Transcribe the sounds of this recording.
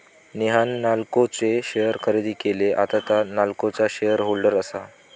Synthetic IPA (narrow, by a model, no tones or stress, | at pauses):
niɦanːalkot͡seɕejəɾkʰəɾed̪iːkeleʔa̰t̪at̪analkot͡saɕejəɾɦolɖəɾəsa